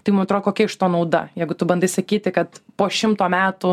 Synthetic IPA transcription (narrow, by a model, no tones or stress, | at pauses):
t̪ɐɪmʊmɐt̪ɾoːd̪koːkʲɛɪʃt̪oːnɐʊd̪ɐ̰jɛɪɡʊt̪ʊbɐnd̪ɐɪsɐkʲiːt̪ʲɪkɐt̪poːʃʲɪmt̪oːmʲæːt̪ʊ